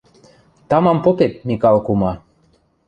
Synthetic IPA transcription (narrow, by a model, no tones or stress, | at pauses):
t̪ɑmɑmpot̪et̪̚nikɑlˠkumɑ